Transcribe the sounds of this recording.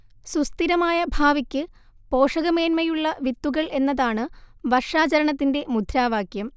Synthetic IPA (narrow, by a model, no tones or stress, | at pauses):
sust̪iɾɐmaːjɐbʱaːʋikʲːɨ | po̞ːʂɐɣɐme̞ːnmɐjuɭːɐʋit̪ːuɣɐɭe̞nːɐðaːɳɨʋɐrʂaːt͡ɕɐɾɐɳɐt̪̬ːinde̞mud̪ʱɾaːʋaːkjɐm